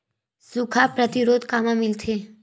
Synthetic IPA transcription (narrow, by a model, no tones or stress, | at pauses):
sukʰapɾət̪iɾod̪kamãmɪlt̪ʰe